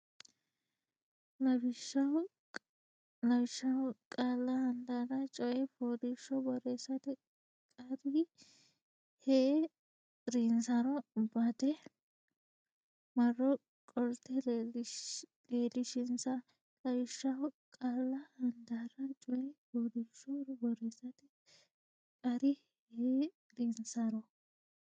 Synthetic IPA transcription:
nɐbɪʃɐw | nɐbɪʃːɐwkʼaːlːɐhɐnd̪aːɾɐt͡ʃʼɔjɛfoːd̪ɪʃɔbɔɾeːsɐt̪ɛ | kʼɐd̪ɪ | hɛ | ɾɪnsɐɾɔbɐt̪ɛ | mɐrːɔ | kʼɔɾt̪ːɛ | leːlɪʃɪnsɐ | kʼɐjʃːɐwkʼaːlːɐhɐnd̪ɐɾɐt͡ʃʼɔjɛpoːd̪ɪʃːɔɾbɔɾeːsɐt̪ɪ | kʼɐɾɪ | he | ɾinsɐɾɔ

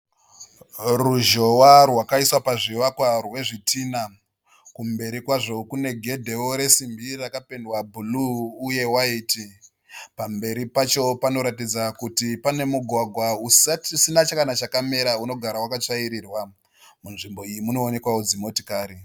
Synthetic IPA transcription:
ruʒo̞warwakaiswapaʐiʋakwarwe̞ʐitina | kumbe̞ɾikwaʐo̞kune̞ɡʱe̞dʱe̞woɾe̞simbirakapendwabʱuluːje̞waiːti | pambe̞ɾipat͡ʃo̞pano̞ɾatid͡zakutipane̞muɡʱwaɡʱwausatisinat͡ʃakanat͡ʃakame̞ɾauno̞ɡʱaɾawakat͡ʂaiɾiːrwa | munʐimbo̞ijimuno̞ːne̞kwawod͡zimo̞ti̥kaːɾi

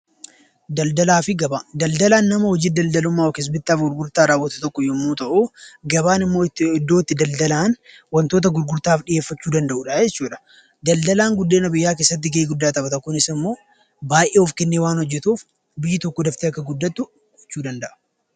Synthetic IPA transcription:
d̪ɐld̪ɐlaːfɪɡɐbad̪ɐld̪ɐlaːnːɐmɐhɔd͡ʒiːd̪ɐld̪ɐlʊmːaːɔkɛs̬bɪt̪ːaːfɡʊɾɡʊɾt̪aːɾaːwːɐt̪ɐ̥t̪ɔkːɔjɔmːuːt̪ɐʔuːɡɐbaːnɪmːo̞ːɪt̪ːɪd̪ːoːt̪ːɪd̪ɐld̪ɐlaːn | wɐnt̪o̞ːt̪̬ɐɡʊɾɡʊɾt̪aːfɗɪje̞ːfːɐt͡ʃːuːd̪ɐnd̪ɐʔuːᶑɐd͡ʒɛt͡ʃːuːᶑɐ̥ | d̪ɐld̪ɐlaːŋɡʊd̪ːeːnɐbɪjːaːk̬eːsːɐt̪ːɪɡɐiːɡʊd̪ːaːt̪ɐbɐt̪ɐkːʊnɪsɪmːo̞ː | baːʔeːhɔfkɛnːeːwaːnhɔd͡ʒːɛt̪uːf | bɪjːɪt̪ɔkːod̪ɐft̪eːɐkːɐɡʊd̪ːɐt̪ːʊ | ɡɔt͡ʃːuːd̪ɐnd̪ɐʔɐ̥

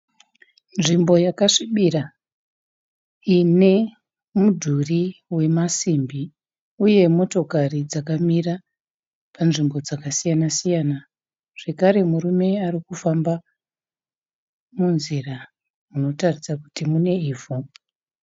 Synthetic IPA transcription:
nʐimbo̞jakaʂiɓira | ine̞ | mudʱuriwe̞masimbi | uje̞mo̞to̞karid͡zakamira | panʐimbo̞d͡zakasijanasijana | ʐ̥e̞kaɾe̞murume̞arikufamba | munzira | uno̞tarisakutimune̞iːvu

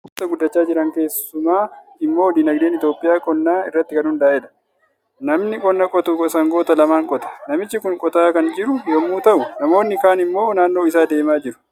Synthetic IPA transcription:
ʊt̪ɐɡʊd̪ːɐt͡ʃːaːd͡ʒɪɾɐŋke̞ːsʊmaːɪmːo̞ːd̪inɐɡd̪e̞ːnɪt̪jo̞ːpʼɪjaːkʼɔnːaːɪrːɐt̪ːɪkɐnhʊnd̪ɐaːʔɛᶑɐ̥ | nɐmnɪkʼɔnːɐkʼɔt̪uɔsɐŋɡoːt̪ɐlɐmaːŋkʼɔt̪ɐ̥nɐmɪt͡ʃːɪkʊŋkʼɔt̪aːkɐnd͡ʒɪɾʊjɔmːuːt̪ɐʔʊnɐmo̞ːnːɪkaːnɪmːo̞ːnaːnːo̞ːɪsaːd̪e̞ːmaːd͡ʒɪɾʊ̥

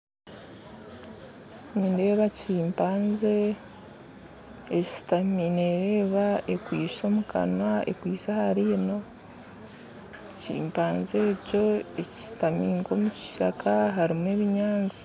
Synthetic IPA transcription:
ɲinde̞ːβaciːmpaːnze | ctamineɾe̞ːβaekwiːʃo̞mukʰa̰nwaḛkwiːsahaɾiːno̞ | cḭːmpaːnze̞ːco̞eci̥si̥tamiːŋɡo̞muci̥ʃakʰaɦaɾime̞βiɲaːnzi̥

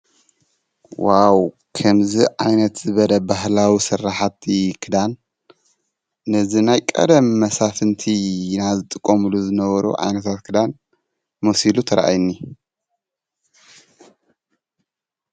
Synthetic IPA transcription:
waw | kʰɐmziʕajnɐt̪zɨβɐlɐbaɦlawisɨrːaħat̪ikʰɨd̪an | ɨzinajkʼɐ̰d̪ɐmːɐsafɨnt̪ʰinazɨt̪ʼɨkʼːomɨluzɨnɐβɐɾṵʕa̰jnɐt̪ʰat̪kʰɨd̪an | mosilut̪ʰɐɾaʔa̰jnːi

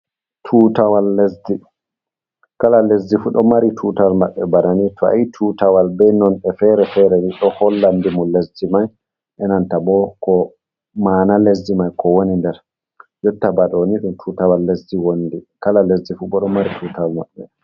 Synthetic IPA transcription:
tʰuːtawalːesdi | kalalesdifuɗɔmaɾitʰutawalmaɓːɛbananitʰɔa̰jitʰuːtawalbɛnɔnɛfɛɾɛfɛɾɛwiɗɔhɔlːandimɔlesdimaj | ʔɛnantabɔkɔ | maːnalesdimajkɔwonindɛɾ | jɔtːabaɗɔniɗumtʰuːtawalːesdiwondikalalesdifuɓɔɗɔmaɾitʰuːtawalma̰ɓːɛ

